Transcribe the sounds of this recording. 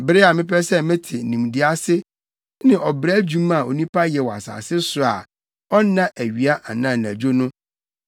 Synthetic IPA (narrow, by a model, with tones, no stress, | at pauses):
bɪ˦ɾɪ˦a˨mɪ̃˦pɛ˦sɛ˦mɪ̃˦tʰɪ˨nũ˨mdɪ˦a˦sɪ˦ | nɪ̃˨ʔɔ˨bɾæ˦d͡ʑũ˦ma˨o˨nũ˦pʰa˦jɛ˨wɔ˨a̰˨sa̰ː˨sɪ˦sʊ˨a˨ | ɔ˦nã˦ʔæ˨ɥi˨a˦ʔa˨nã˦˨n˨æ˨d͡ʑᶣo˦nʊ̃˦